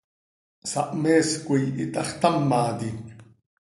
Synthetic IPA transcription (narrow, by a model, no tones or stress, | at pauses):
saʔmeːskʷijit̪ʼaχt̪amːaːd̪i